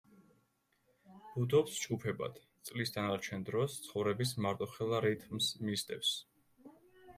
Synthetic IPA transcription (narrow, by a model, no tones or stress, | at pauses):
b̥ud̪ɔpsd͡ʒɡupʰɛba̰d̪̥ | t̪sʼlisd̪anaɾt͡ʃʰɛnd̪ɾɔst̪sʰχɔvɾɛbismaɾt̪ʼɔχɛlˠaɾit̪ʰmsmisd̪ʼɛps